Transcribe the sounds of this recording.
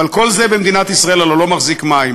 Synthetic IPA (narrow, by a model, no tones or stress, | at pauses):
alko̞lze̞bemd̪inat̪isʁaelalolo̞maχzikmaim